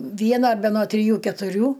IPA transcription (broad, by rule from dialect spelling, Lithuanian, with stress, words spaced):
ˈʋʲiɛnɐ bʲɛ noː tʲrʲɪˈjuː kʲɛtʊˈrʲuː